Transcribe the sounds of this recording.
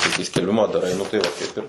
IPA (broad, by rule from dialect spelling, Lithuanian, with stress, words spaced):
tɐɪ kɐɪ sʲkʲɛlʲˈbʲɪmɑː dɐˈrɐɪ nʊ tɐɪ ˈʋɐ ˈkɐɪp ɪr